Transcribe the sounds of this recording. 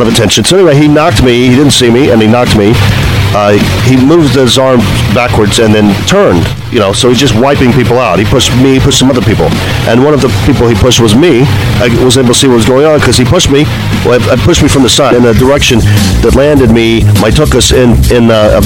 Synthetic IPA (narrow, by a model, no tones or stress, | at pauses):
ɾʌvɨtʰɛ̃nʃɨ̃n̩soʊɛ̃niweɪinɑk̚t̚miidɪdⁿn̩tsimiɨ̰̃ninɑk̚t̚mi | imuvd̚ɪzɑɹm | bækwə˞dzɨ̃nðɨ̃ntʰɜ̃˞nd̥ | jɨñoʊsoʊizd͡ʒʌst̚waɪpɪ̃ŋpipl̩ˠaʊt̚hipʊʃt̚miipʊʃtsʌ̃mʌðə˞pipl̩ˠ | ʔɨ̃nwʌ̃ñʌvðəpipl̩ˠipʰʊʃt̚wʌzmi | aɪwʌzneɪbl̩ˠʰə̥siwʌt̚wʌzɡoʊɪ̃ŋə̃nkʰʌz̥ipʊʃt̚mi | aɪpʰʊʃt̚mifɹʌ̃mðɨsaɪɾɨ̃nɨdə˞ɛkʃɨ̃n | ðɨtˡlæ̃ndɨd̚mi | maɪtʰʊkʌsɪ̃nɪ̃n